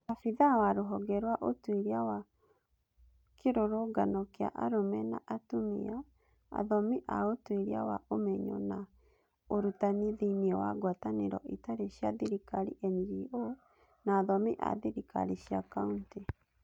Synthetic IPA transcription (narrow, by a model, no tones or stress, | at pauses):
afiðawaɾoɦɔɡɛɾwaʔotweɾiawa | keɾoɾoɡanɔkea̰ʔaɾomɛna̰ʔatumḭa | a̰ðɔmiʔaotweɾia̰waomɛɲɔ̰na | oɾutaniðiniɔwaɡwataneɾɔ̰ʔetaɾeɕjaðiɾikaɾḭʔɛndio | naːðɔmiʔa̰ðiɾika̰ɾiʃjakaunti